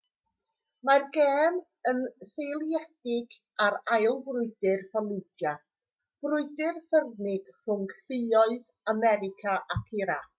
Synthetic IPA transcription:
marɡɛːn | ənselˠjɛd̥ɪɡ | aɾajlˠvrʊɨdɪrfalˠɪd͡ʒa | v̥rʊɨdɪrfərnɪɡ̥rʊŋɬɪjɔɨð | amɛɾɪkʰaʔakʰɪɾa

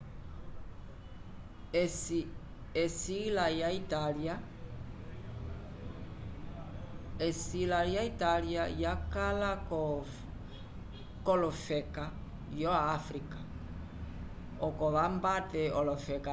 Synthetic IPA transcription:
ɛsilajaitalia | ɛsilajaitaljajakala | kɔlɔfɛka | jɔaːfɾika | ɔkɔβambatɛɔlɔfɛka

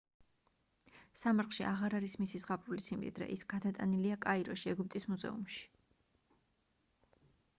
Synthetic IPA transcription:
samaɾχʃiʔaʁaɾaɾismisizʁapʼɾulisimt̪ʼḭd̪ɾɛ̰ʔisɡ̥ad̪at̪ʼaniliakʼaiɾɔʃiɛɡupʼt̪ʼismuzɛ̰ṵmʃi̥

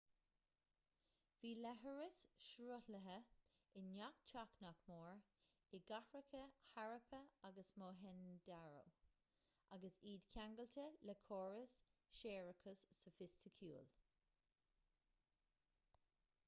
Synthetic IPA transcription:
viːlɛɦəɹəsʃɹʊtləɦə | ɪnːjak̚t͡ʃʰaknakmoːɹ | ɪɡahɹəkʰəhaɹəpʰəaɡəsmoːɦɛnd̪aɹo̰ | aɡəsiːd̪kʲʰaŋɡəlt̪ʰəlɛkʰɔːɹəs | ʃeːɹəkʰəsːəfɪstɪkʰjṵːl

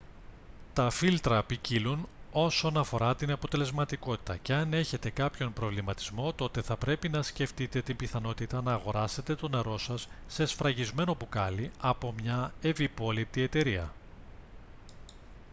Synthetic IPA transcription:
t̪ɐfilt̪ɾɐpiciluno̞sonɐfo̞ɾɐt̪inɐpo̞t̪e̞le̞zmɐt̪iko̞t̪i̥t̪ɐce̞ɐne̞çe̞t̪e̞kɐpço̞npɾo̞vlimɐt̪i̥zmo̞t̪o̞t̪e̞θɐpɾe̞pinɐsce̞ft̪it̪e̞t̪imbiθɐno̞t̪it̪ɐnɐːɣo̞ɾɐse̞t̪e̞t̪o̞ne̞ɾo̞sɐsːe̞ːsfɾɐʝizme̞no̞pukɐliɐpo̞mɲɐe̞vipo̞lip̚t̪ie̞t̪e̞ɾiɐ̰

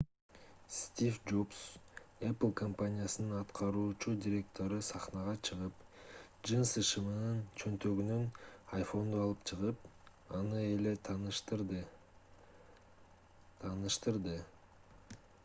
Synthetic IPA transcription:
st̪ʲifd͡ʒopseplˠkʰompanʲijasɯnɯnɑt̪qɑɾuːt͡ʃudʲiɾʲe̞k̚t̪ʰo̞ɾɯsɑχnɑʁɑt͡ʃʰɯʁɯp | d͡ʒɯnsɯʃɯmɯnɯnt͡ʃʰø̞nt̪ø̞ɡynynajfo̞nd̪oɑlˠɯpt͡ʃʰɯʁɯp̚ | ɑnɯe̞le̞ | t̪ʰɑːnɯʃt̪ɯɾd̪ɯ

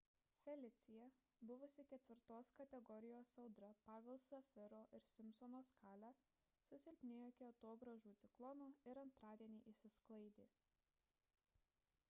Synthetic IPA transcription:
fʲɛlʲɪt̪sʲɪjɛ | bʊʋʊsʲɪkʲɛt̪ʲʋʲɪɾt̪oːskɐt̪ʲɛɡɔɾʲɪjoːsɐʊd̪ɾɐpɑːɡɐlˠsɐfʲɪɾoːʔɪɾsʲɪmʲsɔnoːskʰɑːlʲæː | sʊsʲɪlʲpʲnʲeːjoːkʲiɐt̪oːɡɾɐʒuːt̪ʲɪklˠɔnoːɪɾɐnt̪ɾɑːd̪ʲiɛnʲiːʔɪʃsʲɪsklˠɐɪd̪ʲiː

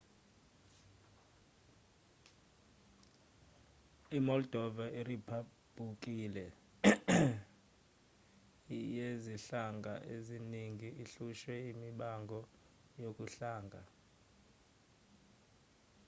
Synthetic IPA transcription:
imɔld̥ʱɔvaeripʰa | b̥ʱuk̬ʼilɛ | jeziɬaŋɡʱa̰ʔeziniŋiʔiɬuʃwɛimiɓaŋɡʱɔ | jok̬ʼuɬaːŋɡʱa̰

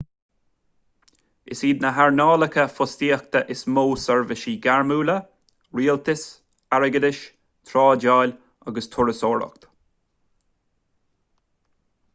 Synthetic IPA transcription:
ɪsiːd̪̚nəɦaɹnɑːləkəfɔst̪iːək̚t̪əʔɪsmoːsəɹvɪʃiːɡaɹmuːlə | ɹiːlt̪ɪs | aɹəɡəd̪ɪʃ | t̪ʰɾɑːdaːlʲ | aɡəst̪ʰʊɹəsoːɹə̰kt̪

